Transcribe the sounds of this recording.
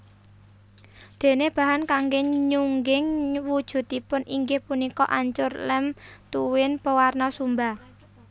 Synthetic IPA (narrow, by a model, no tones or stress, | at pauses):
d̪̥e̤neb̥ä̤ɦankaŋɡeɲuŋɡɪŋwud̥ʒ̥ṳt̪ːipʊnʔiŋɡɪhpunikɔʔaɲt͡ʃʊrlɛmt̪uwɪnpəwarnɔsumba